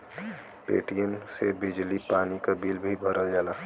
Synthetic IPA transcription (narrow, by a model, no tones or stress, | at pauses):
pḛːʈijənsebɪd͡ʒlipaːnikabilbʱibʱəɾəld͡ʒaːlaː